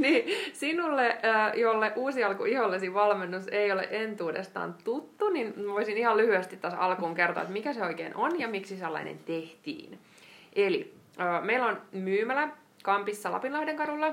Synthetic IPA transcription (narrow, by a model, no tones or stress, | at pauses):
niːsinulːeəːjolːeʔuːsiɑlkuiholːesiʋɑlmenːuseiolḛʔent̪uːdḛst̪ɑ̰ːnt̪ut̪ːuninʋoisinihɑllyhyest̪it̪ːæsɑ̰lkuːŋkert̪o̰ɑ̰ḛt̪mikæseo̞ikḛːnʔonjɑmiksiselːɑ̰inḛnt̪eht̪ḭːn | ʔelḭ | øːmeilonmyːmælæ | kɑmpisːɑlɑ̰pinlɑhdeŋkɑɾulːɑ